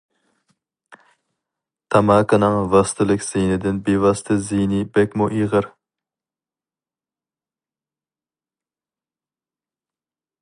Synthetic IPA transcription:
t̪ʰɑmɑːkɨnɨŋvɑst̪ʰɨlˠɪkʲz̥ijnɪd̪ɪnbevɑst̪ʰɨzijnɪbɛkʲmuʔiʁəɾ

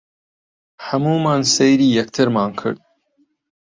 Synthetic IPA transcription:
ħɐmuːmaːnsejɾiːjɐk̚t̪ʰɨɾmaːnkʰɨ̰ɾd̪̥̚

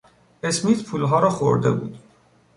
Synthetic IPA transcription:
esmiːt̪pʰuːlɦɒːɾɒːxoɾd̪e̞̰bṵːd̪̥

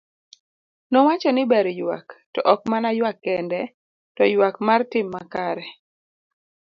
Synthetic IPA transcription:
nɔwat͡ʃɔnɪbɛɾjwa̰ktɔʔɔk̚manajwakːɛndɛ | tɔjwakmartɪmːakaɾɛ

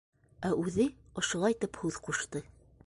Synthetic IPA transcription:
æʔʉðɘŏʃŏlˠɑjt̪ɘphʉðquʃt̪ɤ

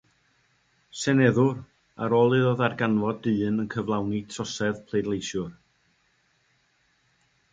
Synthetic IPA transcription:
sɛnɛðʊr | aɾoːlˠɨðoðarɡanvɔdɨːnənkʰəvlˠawnitʰrɔsɛðpʰlˠejdlejʃjʊr

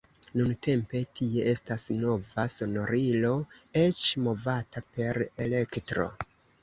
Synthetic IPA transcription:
nunte̞mpe̞tʰie̞ʔe̞stasno̞vaso̞no̞ɾilo̞e̞t͡ʃmo̞vatape̞ɾe̞le̞ktɾo̞̰

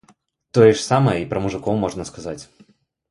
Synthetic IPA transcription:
t̪ɔjɛʂsaməjəipɾɐmuʐɨkɔwmːɔʐnɐskɐzat͡sʲ

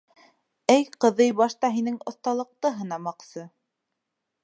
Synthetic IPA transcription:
æjqɤ̆ðɤjbɑʃt̪ɑɦinɘŋŏθt̪ɑlˠɤ̆q̚t̪ɤɦɤ̆nɑmɑqsɤ

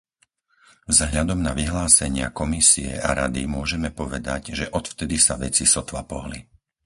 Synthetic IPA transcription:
vzɦʎad̪ɔmnaʋiɦlaːsɛɲɪa̰kɔmisiɛ̰ʔaɾad̪imʊɔʒɛmɛpɔʋɛd̪aɟʒɛʔɔt̪ft̪ɛd̪isaʋɛt͡sisɔt̪ʋapɔɦlḭ

